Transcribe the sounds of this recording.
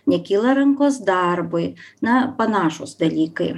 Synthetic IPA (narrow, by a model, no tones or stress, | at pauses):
nʲɛkʲilˠɐɾɪŋkɔzd̪ɑrbʊjnɐpɐnɑʃʊsd̪ɐlʲikɐj